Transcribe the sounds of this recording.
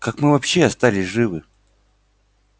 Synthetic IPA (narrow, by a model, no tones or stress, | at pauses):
kakmɨvɐpɕːeɐst̪alʲɪsʲʐɨvɨ